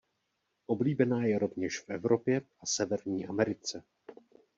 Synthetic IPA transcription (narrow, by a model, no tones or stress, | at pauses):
ʔo̞bliːbɛnaːjɛɾo̞vɲɛʃfʔɛvɾo̞pjɛʔasɛvɛɾɲiːʔamɛɾɪt͡sɛ